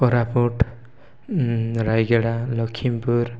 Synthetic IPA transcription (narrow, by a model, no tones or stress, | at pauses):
ɔɾapuʈ | ɾajɡeɽalɔkʰimpuɾ